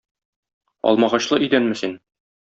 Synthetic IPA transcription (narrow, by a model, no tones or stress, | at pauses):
ɒ̰lˠmɑʁɑɕlˠɤʔid̪ænmɘsin